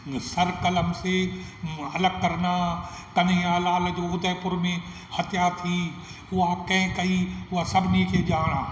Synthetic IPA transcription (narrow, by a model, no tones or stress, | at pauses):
sɐɾkɐləmse | ɐləɡ̚kɐɾna | kɐniaːlaːld͡ʒoːʊd̪əpʊɾmẽ | hɐt̪jat̪ʰi | oaːkɐ̃ɦkɐiʊasɐbʱniːked͡ʒaːɽ̃aː